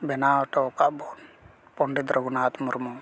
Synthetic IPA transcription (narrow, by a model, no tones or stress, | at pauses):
bɛnaːwʈɔːkaʔbɔn | pɔɳɖid̪ɾɔɡunaːt̪muɾmɔ